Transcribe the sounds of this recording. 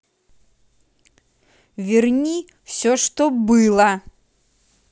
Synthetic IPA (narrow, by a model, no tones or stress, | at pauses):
vʲɛrnʲi | w̥sʲɔʂt̪ɔbɨlˠɐ